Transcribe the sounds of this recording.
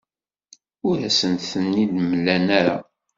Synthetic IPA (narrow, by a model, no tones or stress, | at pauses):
ʊɾæsənt̪θənːid̪məlːænæɾa̰